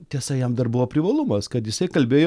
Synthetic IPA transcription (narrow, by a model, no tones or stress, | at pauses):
t̪ʲiɛsɐjɛmd̪ɐrbʊʋoːpʲɾʲɪʋɐlˠumɐskɐt̪jɪsɐɪkɐlʲbʲeːjo